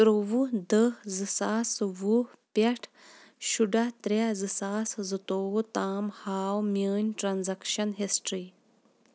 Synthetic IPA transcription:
tɾoʋud̪əzɨsaːsʋu | pɐʈʰ | ʃuɖɐt̪ɾʲɐzɨsaːszɨt̪oːwut̪aːmhaːwmʲəːnʲʈɾanzɐkʃɐnɦesʈɾiː

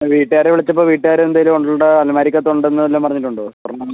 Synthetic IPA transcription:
ʋiːʈːɨaːɾeʋiɭit͡ɕːɐpːoːʋiːʈːɨaːɾeend̪aːjiluoɳɖuɭɽeɐlmaːɾikʲːɐt̪ːoɳɖenːɨɐlːoːmpɐrɐɲːiʈːuɳɖopɐrɐɳːɐ

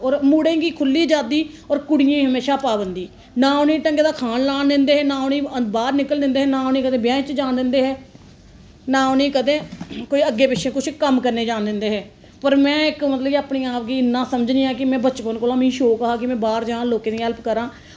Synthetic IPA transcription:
ɔːɾmuːɽẽːɡiːkʰʊlːiːd͡ʒaːd̪iː | ɔːɾkʊɽɪjẽːɦəmeːʃaːpaːbənd̪iː | nãːʊnĩːʈə̃ŋɡeːd̪aːkʰaːnlaːnd̪ɪnd̪eːɦɛːnaːʊnĩːəbaːɾnɪkəld̪ɪ̃nd̪eːɦɛːnãːonẽːkəd̪ẽːbjãːt͡ʃd͡ʒaːnd̪ɪ̃nd̪eːɦɛː | naːʊnĩːkəd̪ẽːkoːiːəɡːeːpɪʃʰẽːkʊt͡ʃʰkəmkəɾneːd͡ʒaːnd̪ɪnd̪eːɦɛː | pəɾmɛ̃ːɪkmət̪ləbaːpnĩːaːpɡiːɪnːãːsəməd͡ʒnĩːɛːkɪmɛ̃ːbətːt͡ʃpənkoːlãːmɪ̃ĩːʃoːkəɦaːkɪmɛ̃ːbaːɾd͡ʒãːloːkẽːnĩɛlpkəɾãː

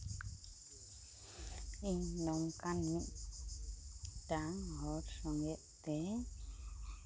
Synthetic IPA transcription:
iɲnɔmkanmiʔ | d̪aŋhɔɾsɔŋɛʔt̪ɛ

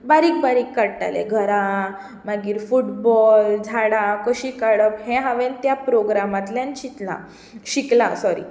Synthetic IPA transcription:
baɾiːk̚baɾiːkːaɽʈa̰lḛɡʱəɾã | maɡiːɾfuʈbɔld͡zʱaɽãkəɕiːkaɽəphẽɦaʋent̪japɾoɡɾamãt̪ljanɕit̪lã̰ | ɕikla̰sɔɾḭ

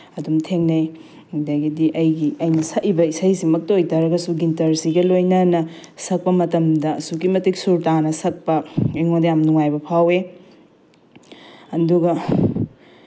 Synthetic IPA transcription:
ɐdumtʰeŋnɐj | dajɡidiʔɐjɡiɐjnɐsɐʔibɐisɐjsimɐk̚tɐojtɐɾɐɡɐsuɡintɐɾsiɡɐlojnɐnɐsɐk̚pɐmɐtɐmdɐsukimɐtik̚suɾtanɐsɐk̚pɐiŋodɐjamnuŋajbɐpʰawe | ɐnduɡɐ

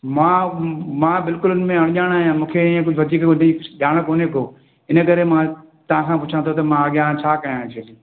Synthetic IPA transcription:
mãːmãːbɪlkʊlʊnmẽɐɽ̃ʄaːɽ̃aːɦjãmũːkʰeiẽkʊd͡ʑʱʊʋɐd̪iːkniɗaːɽ̃əkoːnekoː | ɪnəkɐɾemãː | t̪ɐʋãkʰãːpʊt͡ʃʰãt̪ʰot̪̬ɐmãɐɠjãːt͡ɕʰaːkɐjãːɦẽt͡ɕʰeːliː

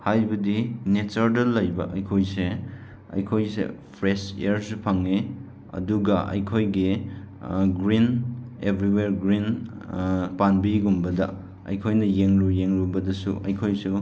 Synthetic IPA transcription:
hajbɐdinet͡ʃɐɾdɐlɐjbɐʔɐjkʰojse | ɐ̰jkʰojsḛpʰɾesḛɾsupʰɐŋe | ɐ̰duɡɐʔɐ̰jkʰojɡi | ɡɾinebɾiweɾɡɾin | panbiɡumbɐdɐ | ɐ̰jkʰojnɐjeŋɾujeŋɾubɐdɐsṵʔɐ̰jkʰojsu

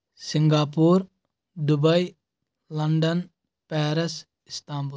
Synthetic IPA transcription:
sɪŋɡaːpuːɾ | d̪ʊbɐj | lɐɳɖɐn | pɛːɾɐs | ɪst̪aːmbu

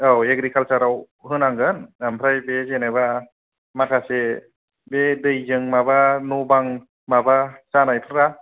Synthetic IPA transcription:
awek̚ɾikʰalsaɾaw | hɯnaŋɡɯnampʰɾajbezenajba | makʰase | bedɯjzɯŋmabanubaŋ | mabasanajpʰɯnɾa

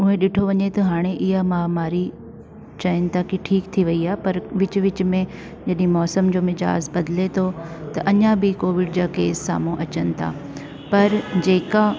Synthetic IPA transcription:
ʊɦẽɗɪʈʰoʋɐɲet̪ɐɦaːɽ̃eʔɪɦamãːmaːɾi | t͡ɕɐɪnɪ̆t̪ʰakiʈʰiːkt̪ʰiʋɐiaːepɐɾʋɪt͡ɕʊʋɪt͡ɕmẽ | d͡ʑɐɗɪĩmɔːsəmd͡ʑoːmɪd͡ʑa̰ːzbɐd̪ɪlet̪ʰot̪ɐʔɐɲãbɪkoːʋɪɖd͡ʑaːkeːssa̰ːmũʔɐt͡ɕənɪ̆t̪ʰa̰ː | pɐɾd͡ʑeːka

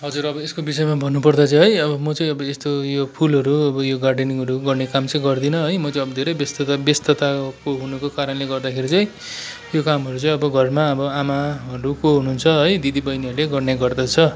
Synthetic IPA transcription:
ɦʌd͡zuɾʌbʌeskobisʌemabʱʌnːupʌrd̪at͡sʌ̃ɦʌjʌbʌmʌt͡sʌĩʌbʌest̪ojopʰulɦʌɾuʌbʌjoɡarɖeniŋɦʌɾuɡʌrnekamt͡sʌĩɡʌrd̪inʌɦʌjmʌt͡sʌĩʌbʌd̪ʱeɾʌjbest̪abest̪ʌt̪akoɦunʌkokaɾʌnleɡʌrd̪akʰeɾit͡sʌj̃ | jokamɦʌɾut͡sʌĩʌbʌɡʱʌrmaʌbʌamaɦʌɾukoɦununt͡sʰʌɦʌjd̪id̪ibʌjnɦʌɾuleɡʌrneɡʌrd̪ʌt͡sʰʌ

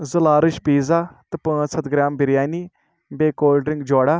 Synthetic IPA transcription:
zəlaːɾɪʃpiːzaːt̪ɐpə̃ːsət̪ɡɾaːmbɪɾjaːniː | beːkoːlɖɾɪŋɡd͡ʒoːɽaː

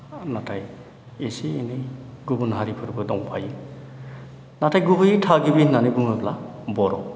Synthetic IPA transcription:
natʰaj | esiːnejɡubunɦaɾipʰɯɾbɯdɔŋpʰaj | natʰajɡubɯjtʰaɡibinanɯɡuŋabla | bɔɾɔ̰

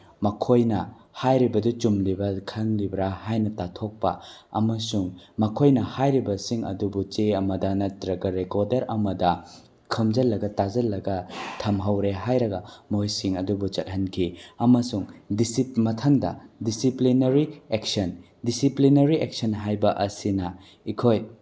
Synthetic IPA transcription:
mɐkʰojnɐ | hajɾibɐdut͡ʃumlibɐkʰɐŋlibɾahajnɐtatʰok̚pɐ̰ɐ̰mɐsuŋmɐkʰojnɐhajɾibɐsiŋɐ̰dubut͡ʃeɐmɐdɐnɐtɾɐɡɐɾekoɾdɐɾɐmɐdɐ | kʰɐmd͡ʒɐlːɐɡɐtad͡ʒɐlːɐɡɐtʰɐmɦɐwɾeɦajɾɐɡɐmojsiŋɐdubut͡ʃɐt̚hɐnkʰiɐmɐsuŋdisimɐtʰɐŋdɐ̰disiplinɐɾiek̚sɐn | disiplinɐɾiek̚sɐnɦajbɐʔɐsinɐ | ikʰoj

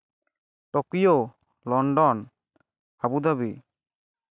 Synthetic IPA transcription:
ʈɔkijo | lɔɳɖɔn | abud̪aβi

